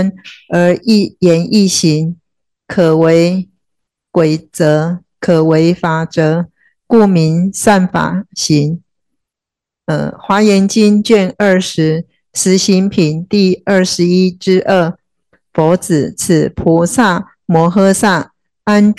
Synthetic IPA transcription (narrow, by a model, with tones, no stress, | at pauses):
nə˧˥i˥˩jɛ˧˥nʔi˥˩ɕi˧˦ŋ | kʰə˨˩we˧˥ɪ | kwe˨˩ɪt͡sɤ˧˦˥ | kʰə˨˩we˧˥ɪfa˨˩ʈ͡ʂɤ˧˦ | ku˥˩mi˧˦nsa˥˩nfa̰˨˩ɕi˧˥ŋ | ə̰˨˩xwa˧˥jɛ˧˥nt͡ɕi˥nt͡ɕɥɛ˥˨nə˥˩ʂɻ̩˧˥ | ʂɻ̩˧˥ɕi˧˥ŋpʰi˨˩nt̪i˥˧ə˥˩ʂɻ̩˧˦i˥ʈ͡ʂɻ̩˥ʔə˥˩ | fɔ˧˥t͡sɹ̩˨˩t͡s̩ʰ˨˩pʰu˧˥sa˥˩ | mwɔ˧˥˦xɤ˥sa˥˩ | a˦˥n